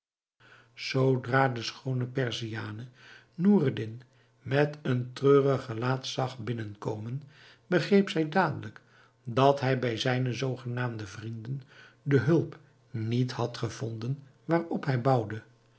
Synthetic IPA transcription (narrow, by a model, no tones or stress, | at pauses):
z̥owdraːdəsχownəpɛɹziaːnə | nuːrdɪn | mɛtəntrøːrəχəlaːtsɑχbɪnənkowmən | bəχrejpsɛjdaːdələk | dɑtɦɛjbɛjzɛjnəzowχənaːmdəvrindən | dəɦɵlˠp | nithɑtχəv̥ɔndən | ʋaːrɔpɦɛjbɑwdə